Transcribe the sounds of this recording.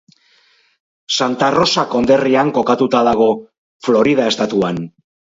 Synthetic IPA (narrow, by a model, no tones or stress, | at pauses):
sant̪aro̞sako̞nd̪e̞riaŋko̞kat̪ut̪aðaɣ̞o̞ | flo̞ɾið̞ae̞st̪at̪uan